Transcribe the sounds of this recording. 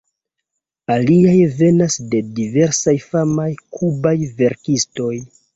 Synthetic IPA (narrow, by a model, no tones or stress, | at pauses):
aliajve̞nasde̞dive̞ɾsajfamajkʰubajve̞ɾkisto̞j